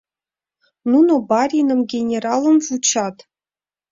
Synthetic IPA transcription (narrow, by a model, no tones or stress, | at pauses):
nunobarʲinɨmɡʲenʲeralˠənzut͡ʃʰat̪